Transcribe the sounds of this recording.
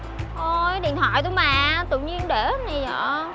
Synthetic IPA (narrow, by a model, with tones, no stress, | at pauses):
ʔo˧˩ɗḭ˧˨ənt̪ʰwa̰ː˧˨jt̪̬u˧maː˨˩t̪ɨ̰˧˨ɲi˧ənɗe˧˩na˨˩zɔ̰˧˨